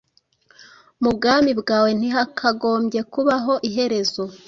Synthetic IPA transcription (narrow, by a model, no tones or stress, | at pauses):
mub̚ɡaːmibɡaːwe̞n̥iɦakʰaɡo̞ːmɟe̞kuβaɦo̞ʔiɦe̞ɾe̞zo̞